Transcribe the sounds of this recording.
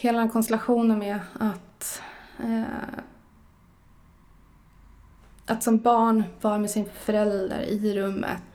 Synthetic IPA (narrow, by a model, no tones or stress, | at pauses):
heːlad̪ɛnkʰɔnst̪ɛlaɧuːnənmɛat̪ | ʔat̪sɔmbɑːɳvɑɾmɛsɪnfœɾɛld̪ə̰ɾɪɾɵmːə̰t̪